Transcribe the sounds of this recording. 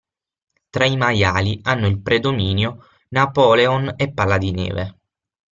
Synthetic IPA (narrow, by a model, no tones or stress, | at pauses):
t̪ɾaimajaːlianːoilpɾed̪omiːnjo | napɔːleonepːalːad̪inɛ̰ːve